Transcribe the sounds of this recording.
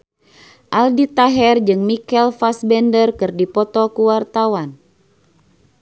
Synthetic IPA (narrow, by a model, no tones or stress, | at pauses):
ʔaldit̪aɦɛrd͡ʒɨŋmikɛlfasbɛndərkɨrdipɔt̪ɔkuwart̪awan